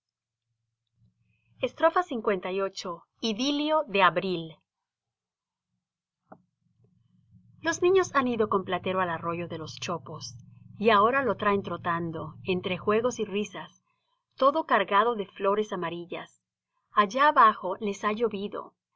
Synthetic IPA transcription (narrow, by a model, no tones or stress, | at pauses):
e̞st̪ɾo̞fasiŋkwe̞nt̪ajo̞t͡ʃo̞ | iðiljo̞ðe̞aβɾil | lo̞znĩɲo̞saniðo̞ko̞mplat̪e̞ɾoalaro̞ʝo̞ðe̞lo̞st͡ʃo̞po̞siao̞ɾalo̞t̪ɾaent̪ɾo̞t̪and̪o̞ent̪ɾe̞xwe̞ɣo̞sirisas | t̪o̞ðo̞kaɾɣaðo̞ðe̞flo̞ɾe̞samaɾiʝas | aʝaːβaxo̞le̞saʝo̞βiðo̰